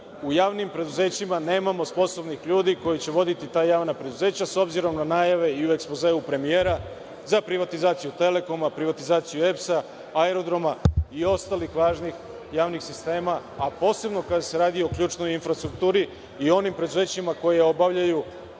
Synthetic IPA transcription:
ujaːʋnimpɾe̞d̪uze̞ːt͡ɕimane̞ːmamo̞spo̞so̞bnixʎuːd̪iko̞jit͡ɕe̞ʋo̞d̪it̪it̪aːjaːʋnapɾe̞d̪uze̞ːt͡ɕaso̞bziɾo̞mnanaːjaʋe̞iue̞kspo̞zeːupɾe̞mijeːɾa | zapɾiʋat̪izaːt̪sijut̪e̞le̞ko̞mapɾiʋat̪izaːt̪sijue̞psa | aeɾo̞d̪ɾo̞maio̞st̪alixʋaːʒnix | jaːʋnixsist̪e̞ːmaːpo̞ːse̞bno̞kad̪ase̞ɾaːd̪io̞kʎʲuːt͡ʃno̞jinfɾast̪ɾuk̚t̪uːɾi | io̞nimpɾe̞d̪uze̞ːt͡ɕimako̞jeo̞baʋʎaju

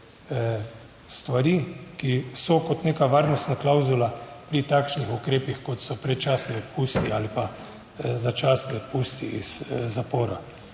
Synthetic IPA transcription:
st̪ʋaɾikisɔkɔt̪neːkaʋaːɾnɔst̪naklawzulapɾit̪aːkʃnixukɾeːpixkɔt̪sɔpɾɛt͡ʃaːsniɔt̪pust̪iaːlipa | zat͡ʃaːsniɔt̪̚puːst̪iizzapɔːɾa

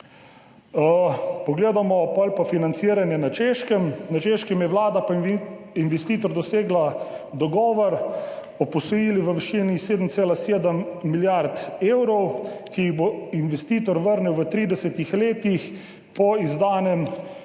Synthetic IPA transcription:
əpɔɡleːd̪amɔpɔlpafinant̪siːɾanjɛnat͡ʃeʃkəmnat͡ʃeʃkɛmjɛʋlaːd̪apainʋɛst̪iːt̪ɔɾd̪ɔseːɡlad̪ɔɡɔːʋɔɾ | ɔpɔsɔjiːliʋəʋiʃiniseːd̪əmt̪seːlaseːd̪əmːiljaɾt̪eːwɾɔwkiiɣboinʋɛst̪iːt̪ɔɾʋəɾniwʋət̪ɾiːd̪ɛsɛt̪ixleːt̪ix | pɔizd̪aːnɛm

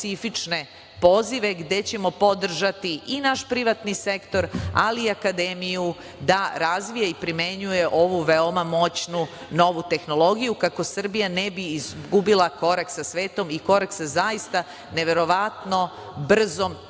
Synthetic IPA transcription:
sifit͡ʃne̞ | po̞ziʋe̞ɡd̪e̞t͡ɕe̞mo̞po̞d̪r̩ʒat̪iinaʃpɾiʋat̪nise̞kt̪o̞ɾa̰liːakad̪emiju | d̪aɾazʋijaipɾime̞ɲuje̞ʔo̞ʋuʋeomamo̞t͡ɕnu | no̞ʋut̪e̞xno̞lˠo̞ɡijukako̞sr̩bijane̞biizɡubilˠako̞ɾak̪sasʋe̞ːt̪o̞miko̞ɾaksazajist̪a | ne̞ʋe̞ɾo̞ʋat̪no̞ | br̩zo̞m

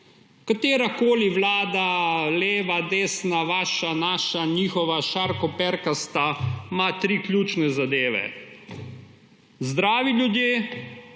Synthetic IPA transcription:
kat̪eːɾakoːliʋlaːd̪aleːʋad̪eːsnaʋaːʃanaːʃaniːxɔʋaʃaɾkɔpɛɾkast̪amat̪ɾiːklʲjuːt͡ʃnɛzad̪eːʋɛ̰ | zd̪ɾaːʋiljud̪jeː

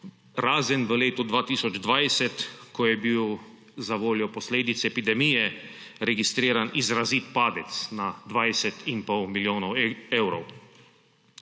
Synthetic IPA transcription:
ɾaːzɛnʋəleːt̪ud̪ʋaːt̪isɔd͡ʒd̪ʋajsɛt̪kɔjɛbiw | zaʋoːljɔpɔsleːd̪it̪sɛɛpid̪ɛmijɛ | ɾɛɡist̪ɾiːɾanʔizɾaziːt̪paːd̪ɛt̪snad̪ʋajsɛt̪ʰimpɔwmiljoːnɔwewɾɔw

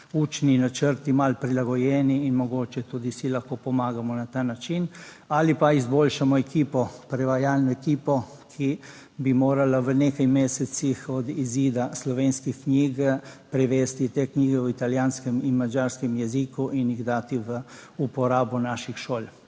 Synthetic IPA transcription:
uːt͡ʃninat͡ʃəɾt̪imalpɾilaɡɔjɛːniːnmɔɡoːt͡ʃɛt̪ud̪isilaxkoːpɔmaːɡamɔnat̪aːnat͡ʃin | alipaizboːlʃamɔɛkiːpɔpɾɛʋajaːlnɔɛkiːpɔ | kʰi | bimoːɾalaʋənekajmeːsɛsixɔd̪iziːd̪aslɔʋeːnskixkɲiːɡpɾɛʋeːst̪it̪ekniːɡɛwit̪aljaːnskɛminmad͡ʒaːɾskɛmjɛzikuʔiniɣd̪aːt̪iʋə | upɔɾaːbɔnaʃixʃoːl

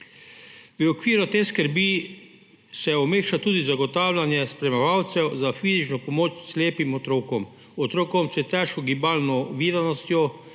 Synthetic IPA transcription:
ʋəɔkʋiːɾut̪eːskəɾbi | sɛɔmeːxʃat̪uːd̪izaɡɔt̪aːwlʲanjɛspɾɛmɛʋawt̪sɛwzafiːzit͡ʃnɔpɔmoːt͡ʃsleːpimɔt̪ɾoːkɔm | ɔt̪ɾoːkɔmt͡ʃɛt̪ɛʃkɔɡibaːlnɔʋiɾanɔst̪jɔ

